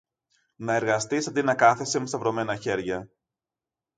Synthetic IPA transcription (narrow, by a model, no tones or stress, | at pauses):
nɐe̞ɾɣɐst̪isɐnd̪inɐkɐθesemust̪ɐvɾo̞me̞nɐçe̞ɾʝɐ